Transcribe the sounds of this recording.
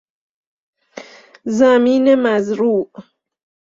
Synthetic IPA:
zamiːnemazɾuːʔ

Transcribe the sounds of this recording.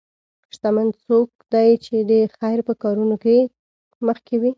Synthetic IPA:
ʃt̪amand̪sok̚d̪ajt͡ʃed̪əxajɾpəkɑɾunoke | məxkewi

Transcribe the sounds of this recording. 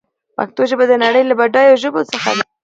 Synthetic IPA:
pa̰k̚t̪oʒəbad̪ənaɽəjlabaɖɑjawʒəbosəxa̰

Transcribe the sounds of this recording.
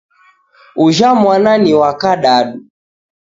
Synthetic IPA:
uʒamwananiwakaɗaɗu

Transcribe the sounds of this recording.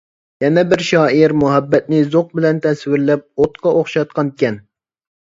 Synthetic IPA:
jɛnɛbɪɾʃɑːiɾmʊɦɛbːɛt̪̚nɪzoq̚bɪlɛnt̪ʰɛswɪɾlɛp̚ot̪qʰɑʔoχʃɑt̪̚qɑnkʲɛn

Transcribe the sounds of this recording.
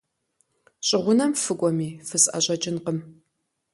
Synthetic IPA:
ɕʼɪʁʷʊnɐmfɨkʷʼɔmiːfɨsʼɐ̰ɕʼɐt͡ʃʼɪnqəm

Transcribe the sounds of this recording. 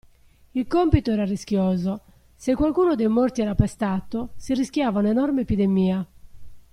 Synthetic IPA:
ilkompit̪ɔɛːɾariskjɔːzo | sekːwalkuːnod̪ejmort̪iɛːɾapɛst̪at̪ːosiriskjaːvaunenɔrmeepid̪emiːa

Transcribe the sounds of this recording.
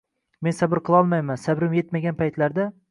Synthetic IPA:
me̞nsabɪɾqʰɨlˠɒlˠmajmansabɾɪmje̞t̪maɡʲanpʰajt̪laɾd̪a

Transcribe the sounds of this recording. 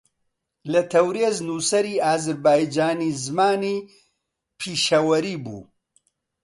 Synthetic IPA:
lɐt̪ʰɐwɾeːznuːsɐɾiːaːzɐɾbaːjd͡ʒaːniːzmaːniː | pʰiːʃɐwɐɾiːbṵː

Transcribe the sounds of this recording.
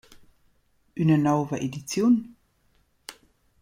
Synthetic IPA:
ʔynənaʊvəʔedit͡sjoːn

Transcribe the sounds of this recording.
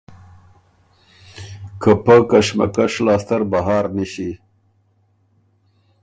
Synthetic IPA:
kəpakɐʂma̰kaʂlɑːst̪ɐɾbaɦɑːɾniʃi

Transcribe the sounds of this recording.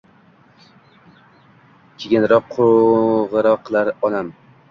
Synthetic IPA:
kʲʰeɡʲɪnɾɒqʰːʊʁɨɾɒqʰːlˠaɾɒnam

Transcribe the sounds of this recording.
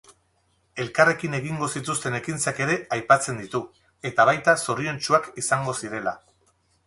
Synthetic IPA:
e̞lkare̞kine̞ɣiŋɡo̞sit̪ust̪e̞ne̞kint͡sake̞ɾe̞ajpat͡se̞nd̪it̪u | e̞t̪aβ̞ajt̪aso̞ɾie̞nt͡ʃuakisaŋɡo̞siɾe̞la

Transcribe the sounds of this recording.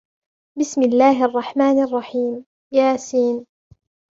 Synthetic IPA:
bɪsmɪlːaːɦʔɑrˤːɑħmaːnʔɑrˤːɑħiːm | jaːsiːn

